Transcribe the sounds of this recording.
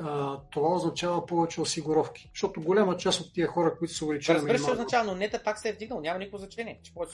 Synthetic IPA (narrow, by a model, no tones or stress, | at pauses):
ət̪ovaoznɐt͡ʃavɐpɔvɛt͡ʃɛosiɡʊɾɔfk̟i̥ʃt̪ɔt̪oɡolʲamət͡ʃast̪ot̪ːiəxɔɾəkoit̪ʊ̥sɛʊvɛlit͡ʃɛlɾɐzmɛiɾimɛoznɐt͡ʃavənonɛt̪ɐt̪aksɛvd̪iɡ̚nɐlˠonʲamɐnikəkvoznɐt͡ʃɛnʲiɛt͡ʃɛ̥pɔvɛt͡ʃ